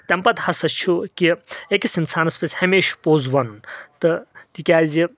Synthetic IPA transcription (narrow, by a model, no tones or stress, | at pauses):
t̪ʲɐmpɐt̪hɐsɐt͡ʃʰukiekisinsaːnɐspeshɐmeːʃpoːzʋɐnt̪ɨt̪ikʲaːzi